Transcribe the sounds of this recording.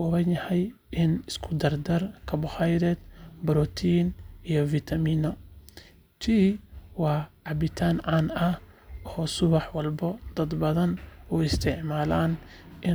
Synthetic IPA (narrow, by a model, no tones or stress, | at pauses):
ʊβɐnjɐhɛjʔɪnɪskʰʊd̪ɐrd̪ɐrkʰɐbʊhajɾɛd̪bɾɔt̪ʰiːnijɔvit̪ʰɐmiːnɔ | t͡ʃ̪ʰiːwɑːʕɑbɪt̪ʰaːnʕanɐʔɔːsʊβɑħwɑlbɔd̪̥ɐd̪bɐðɐnuɪst̪ʰɛʕmaːlaːnʔɪ